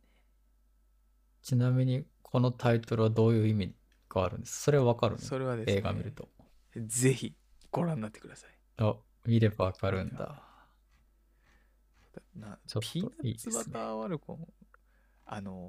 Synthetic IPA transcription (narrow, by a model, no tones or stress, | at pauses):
t͡ɕinamʲiɲ̟ikʰo̞no̞t̪ʰait̪o̞ɾɯ̟βad̪o̞ːjɯ̟ːimʲi | ɡ̥aaɾɯ̟̃nd̪esɨ̥so̞ɾe̞βaβakaɾɯ̰nsoɾeβad̪ee̞ːɡamʲḭɾɯ̟t̪o | ze̞çi | ɡ̥o̞ɾãnːat̪ːe̥kɯ̟d̪asḁi̥ | a | mʲiɾe̞baβakaɾɯ̟̃nd̪a̰ | t̪anat͡ɕoit̪aiːsɨbat̪aβaɾɯ̟kõ̰ŋ | ano